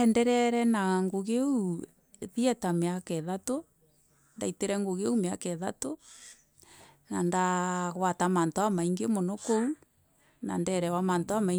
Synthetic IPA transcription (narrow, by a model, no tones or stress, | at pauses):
ɛndɛɾɛɾɛnaŋɡoɣeu | βiɛtameakɛðato | ndaiteɾɛŋɡoɣeumeakɛða̰to | nandaɣwatamantoamaiŋɡemɔnɔkou | na̰ndɛɾɛwamantoamai